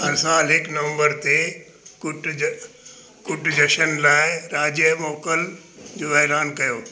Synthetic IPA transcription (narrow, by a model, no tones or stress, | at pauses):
ɐsãlɪknɐʋə̃mbəɾt̪e | kʊʈ | kʊʈd͡ʑɐʃənlaːɪɾaːd͡ʑjəmoːkəl | d͡ʑoːʋɐɦɪɾaːnkɐjoː